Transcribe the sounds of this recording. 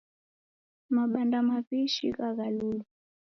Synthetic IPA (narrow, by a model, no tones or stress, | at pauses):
maɓandamapiʃḭɣaɣalulu